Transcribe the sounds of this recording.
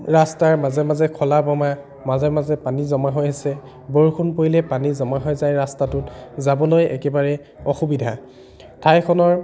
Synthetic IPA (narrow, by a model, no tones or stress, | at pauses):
ɹastaɹmazɛmazɛkʰɔlabɔma | mazɛmazɛpanizɔmaɦojasɛ | boɹkʰunpoilɛpanizɔmaɦojzajɹastatʊtzabɔlojʔɛ̰kɛbaɹɛ | ɔxubidʱa | tʰajkʰɔnɔɹ